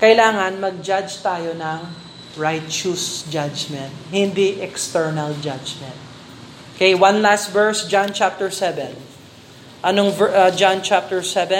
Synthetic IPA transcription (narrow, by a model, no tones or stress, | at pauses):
kɐɪlaːŋɐnmɐɡ̚d͡ʒad͡ʒt̪aːjonɐŋ | ɹajt̪t͡ʃusd͡ʒad͡ʒmɛ̃nt̪̚hɪ̃nd̪iʔɛkst̪ɛɹnɐld͡ʒad͡ʒmɛ̃nt̪̚ | keiwãnlast̪vɛɹsd͡ʒãnt͡ʃap̚t̪ɛɹsɛvɛ̃n | ʔɐnoŋvd͡ʒãnt͡ʃap̚t̪ɛɹsɛvɛ